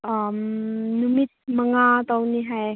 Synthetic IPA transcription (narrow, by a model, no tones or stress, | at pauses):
ʔamnumit̪̚məŋat̪awniɦaj